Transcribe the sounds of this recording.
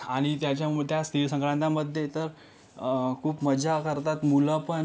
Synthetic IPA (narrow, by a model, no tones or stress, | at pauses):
aɽ̃it̪jat͡ɕjat̪jast̪ʰiʋsə̃ŋkɾãnt̪aməd̪ʱːjet̪əɾ | kʰuːpməd͡ʑakəɾt̪at̪muləpən